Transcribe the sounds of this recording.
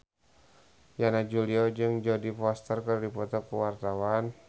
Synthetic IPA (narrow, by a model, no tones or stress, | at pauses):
janad͡ʒuliɔd͡ʒɨŋd͡ʒɔdifɔst̪ərkərdipɔt̪ɔkuwart̪awan